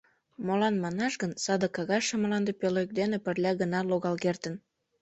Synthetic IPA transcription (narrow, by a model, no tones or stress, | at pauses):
molɑnmɑnɑʃɣənsɑd̪əkɑɣɑʃəmlɑnd̪əpøløjk̚d̪enepərlʲɑɣənɑloɣɑlkert̪ən